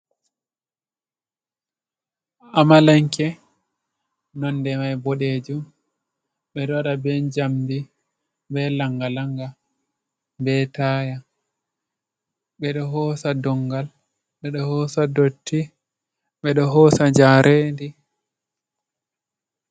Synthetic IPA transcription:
amalaŋkɛ | nɔndɛmajbɔɗed͡ʒum | ɓɛɗɔwaɗabɛnd͡ʒamdi | bɛlaŋɡalaŋɡa | bɛtaːja | ɓɛɗɔɦɔːsadɔŋɡal | ɓɛɗɔhɔːsadotʰːi | ɓɛɗɔɦɔːsad͡ʒaɾʔeːndi

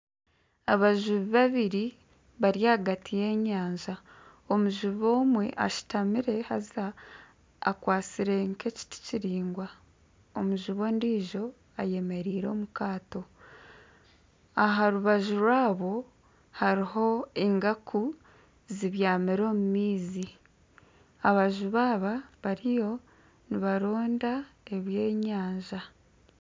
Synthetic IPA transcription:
aβaʒuβiβaβiɾi | βaɾjaːɡatʰije̞ːɲaːɲʒa | omuʒuβo̞ːmwe̞̰ʔa̰ʃi̥tamiɾe̞ha̰za̰ː | kwaːt͡siɾeŋke̞ci̥ti̥ciɾiːŋɡwa | omuʒuβo̞ndiːʒo̞ | aje̞me̞ɾiːɾo̞ːmukaːto̞ | aɦaɾuβaʒuɾwaːβo̞ | haɾiɦo̞eŋɡaku | ziβjaːmiɾo̞ːmumiːzi | aβaʒuβaːβaβaɾijo̞ | niβaɾo̞ːndae̞βje̞ːɲaːɲʒa

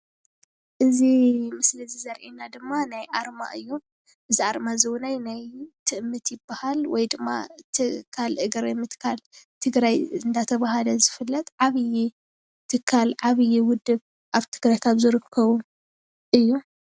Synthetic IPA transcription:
ʔɨzimɨsliɨzizɐɾʔinad̪ɨmːanajʔaɾma̰ʔɨjːu | ʔɨziʔaɾmazɨwnajnajt̪ʰɨʔɨmːɨt̪jɪbːahalwɔjd̪ɨmːa̰t̪ʰɨkʰːalʔɨɡɾmɨt̪kʰalt̪ʰɨɡɾajɨnd̪ʰat̪ʰɐβaɦalɐzɨfɨlːɐt̪ʕaβɨji | t̪ʰɨkʰːalʕaβɨjiwʊd̪ːɨβ | ʔaβt̪ʰɨɡɾajkʰaβzɨɾɨkʰːɐβu | ʔɨjːu

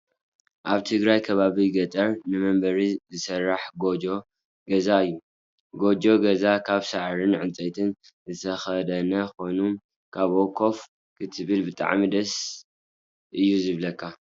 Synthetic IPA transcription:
ʔaβt̪ʰɨɡɾajkʰɐβaβiɡɐt̪ʼɐɾnɨmɐmbɐɾizɨsɐrːaħɡo̞d͡ʒo̞ | ɡɐzaɨjːu | ɡo̞d͡ʒo̞ɡɐzakʰaβsaʕɾɨnʕɨnt͡sʼɐt̪ʰɨn | zɨt̪ʰɐxɐd̪ɐnɐko̞num | kʰaβokʰo̞f | kʰɨt̪ʰɨβɨlbɨt̪ʼa̰ʕmid̪ɐs | ʔɨjːuzɨβlɐkʰːa

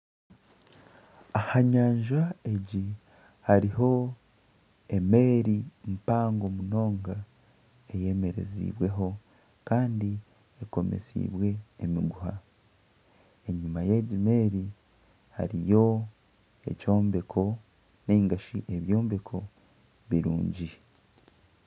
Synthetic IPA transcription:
ahaɲaːɲʒae̞ɟi | haɾiɦo̞ | e̞me̞ːɾim̩paːŋɡo̞muno̞ːŋɡa | e̞je̞me̞ɾe̞̰zḭːβwe̞ɦo̞ | kaːndi | eko̞mḛsḭːβwe̞ːmiɡuha | e̞ɲumaje̞ɟime̞ːɾi | ha̰ɾḭjo̞ | e̞̰co̞ːmbe̞kʰo̞ | neiŋɡaʃiʔe̞βjo̞ːmbe̞kʰo̞ | βiɾṵːɲɟi

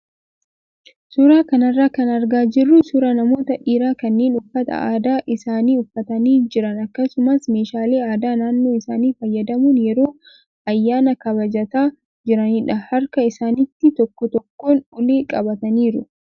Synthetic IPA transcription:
sʊɾaːkɐnɐrːaːkɐnɐɾɡaːd͡ʒɪrːʊsʊɾanɐmo̞ːt̪ɐᶑiːɾaːkɐnːeːnʊfːɐt̪ɐ̰a̰ːd̪aːʔɪsaːniːʊfːɐt̪ɐniːd͡ʒɪɾɐnɐkːɐsʊmɐsme̞ːʃaːle̞ːaːd̪aːnaːnːo̞ːɪsaːniːfɐjːɐd̪ɐmunjɛɾo̞ː | ɐjːaːnɐkɐbɐd͡ʒɐt̪aː | d͡ʒɪɾɐnɪᶑɐhɐɾkɐɪsaːnɪt̪ːɪt̪ɔkːɔt̪ɔkːo̞ːnʊleːkʼɐbɐt̪ɐniːɾʊ

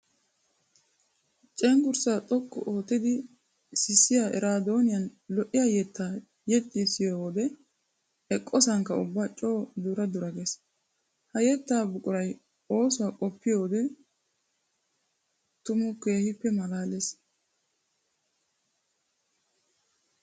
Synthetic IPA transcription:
t͡ʃʼɛŋɡʊɾsaːt̪ʼɔkʰʼːɔ̰ʔoːt̪ːɪd̪ɪ | sɪsːɪjaʔɛɾaːd̪o̞ːnɪjɐnlɔʔɪjajɛt̪ːaː | jɛt̪ʼːɪɛsɪjoːwɔd̪ɛ | ɛkʼːɔsɐŋkːɐʊ̰bːat͡ʃʼo̞ːd̪uɾɐd̪ʊɾɐɡɛs | hɐjɛt̪ːaːbʊkʼʊɾɐj | o̞ːsʊwakʼɔpːɪjo̞ːd̪ɛ | t̪ʊmʊke̞ːhɪpːɛmɐlaːles

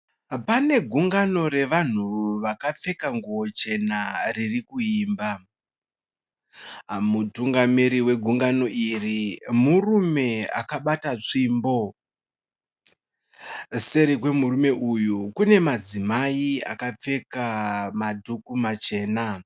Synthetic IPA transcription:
pane̞ɡʱuŋɡano̞re̞ʋan̤uʋakap͡fe̞kaŋɡuwo̞t͡ʃe̞naririkuiːmba | mutuŋɡamiɾiwe̞ɡʱuŋɡano̞ʔirimurume̞a̰kaɓatat͡ʂimbo̞ | se̞ɾikwe̞murume̞ʔujukune̞mad͡zimaia̰kap͡fe̞kamadʱukumat͡ʃe̞ːna

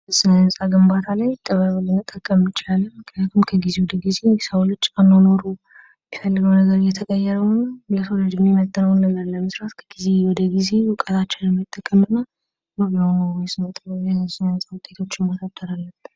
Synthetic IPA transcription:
əsɨnənsʼaɡɨmbat̪ʰalajt̪ʼːəβaβɨlɨnɨt̪ʼːəkʼːəmɨt͡ʃɪlalːəmɨkʰnijat̪ʰumkʰəɡize̞wɔd̪əɡize̞nsawlɨt͡ʃʼːanːonoɾu | mifəlːɨɡəwnəɡəɾɨjːɛt̪ʰəkʼəjːɛɾəwnːləsoləd͡ʒɪmimət̪ʼːənəwnːələɾləməsɾat̪kʰə̥ɡize̞wɔd̪əɡize̞wkʼət̪ʰat͡ʃːɛnəmːjt̪ʼːəkʼːəmɨnːa | məβnəwjsɨnət̪ʼəjɛnsɨnənsʼawʊt̪ʼet̪ʰo̞t͡ʃːɪmɔt̪ʰat̪ʰːəɾalːəb

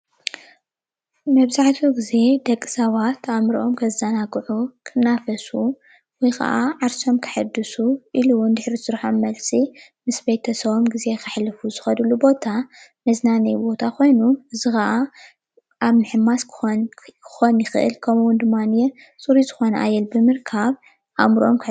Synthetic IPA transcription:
mɐβzaħt̪ʰiɡize̞d̪ɐkʼːi̥sɐβat̪ʰamɾiʔomkʰɐzːanaɡʕukʰɨnːafɐsu | wɔjkʰɐ̰ʔaʕaɾso̞mkʰɨ̥ħɨd̪ːɨsuʔiluwnd̪ɨħɾisɨɾħamɐlsʼi | mɨsbejt̪ʰɐsɐβomɡize̞kʰɨħlɨfuzɨxɐd̪ulubo̞t̪ʰamɐznanɐjbo̞t̪ʰakʰo̞jnuʔɨzɨxɐʔa | ʔaβmɨħɨmːaskʰkʰɨxo̞njɪxɨ̰ʔɨ̰lkʰɐmwʊnd̪ɨmːanjɛ | t͡sʼuɾizɨxo̞nɐʔajɛlbɨmɨɾkʰaβ | ʔamɾʔomkʰ

